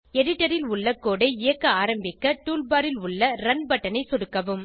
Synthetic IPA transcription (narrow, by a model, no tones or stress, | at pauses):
ɛɽɪʈːɐɾɪlʊɭːɐkːoːɽɐɪɪjɐkːɐaːɾɐmbɪkːɐʈuːlbaːɾɪlʊɭːɐɾɐnbɐʈːɐnɐɪsɔɽɯkːɐʋɯm